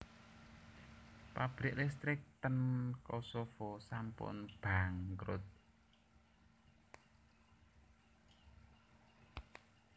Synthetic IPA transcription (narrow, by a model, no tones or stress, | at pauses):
pab̥ɾɪʔlɛst̪ɾɪk̚t̪ənkɔsofɔsampʊ̰nb̥aŋkɾʊ̰t̪̚